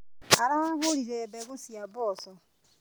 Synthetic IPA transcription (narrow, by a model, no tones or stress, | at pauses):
aɾaaɦʊɾiɾebeɣʊsiabʊɔsɔ